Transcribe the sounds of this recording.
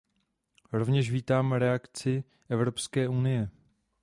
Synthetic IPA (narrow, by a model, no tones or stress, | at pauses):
ɾo̞vɲɛʃviːt̪aːmɾɛakt͡sɪ | ʔɛvɾo̞pskɛːʔunɪjɛ